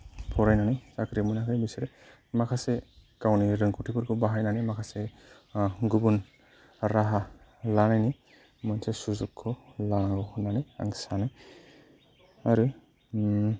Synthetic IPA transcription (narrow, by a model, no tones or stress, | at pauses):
pʰɔɾajnanajsakʰɾimɔnakʰajbisɯɾɛ | makʰasekawniɾɯŋkʰutʰipɯɾkʰɯbaɦajnanimakʰase | ɡubun | ɾaɦalanajni | mɔnsesuzukʰːɔlaŋɡɔxɔnanaja̰ŋsanaj | aɾu